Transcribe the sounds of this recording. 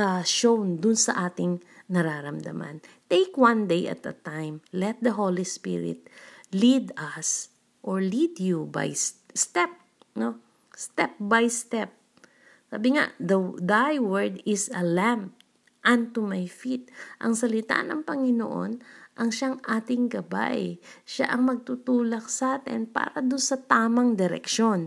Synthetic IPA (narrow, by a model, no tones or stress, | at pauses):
ɐʃownd̪ʊnsɐ̰ʔaːt̪ɪŋnɐɾaːɾɐmd̪a̰ma̰nt̪ejkwãnd̪ejɐ̰t̪̚ɐ̰t̪ajmlɛt̪̚d̪ɐɦolispḭɹɪ̰t̪̚lid̪ɐs | ʔoɹlid̪juba̰jsst̪ɛp̚ | no | st̪ɛp̚bajst̪ɛp̚ | sa̰ːbɪŋa̰ʔd̪ɐd̪ajwɛɹd̪ɪsɐlamp | ʔɐnt̪umajfit̪̚ʔɐŋsɐlɪt̪a̰ʔnɐŋpɐŋɪno̰ʔo̞̰nʔɐŋʃaŋʔaːt̪ɪŋɡɐba̰ʔʃa̰ʔɐŋmɐɡ̚t̪ut̪uːlɐk̚saːt̪ɛ̰npa̰ːɾɐd̪ʊnsɐt̪aːmɐŋd̪ɛɾɛ̰kʃo̞n